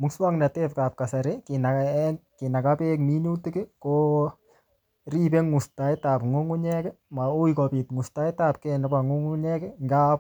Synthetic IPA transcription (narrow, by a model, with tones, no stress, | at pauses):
mʊ˦kswa˦ŋnɛ˨te˦pka˨p̚ka˨sa˨ɾe˦ki˨nakɪ˨na˨ka˦pekmi˦nu˦tɪ˦kɪ˦ko | ri˦pe˦ŋu˨sta˨˦ɪ˦ta˨pŋʊ˦ŋu˦ɲɛkɪ˦ma˨u˦jkɔ˨pi˨tŋu˨sta˦jta˦p̚kɛnɛ˦pa˨ŋu˦ŋu˦ɲɛ˦kɪ˦ŋɡa˦p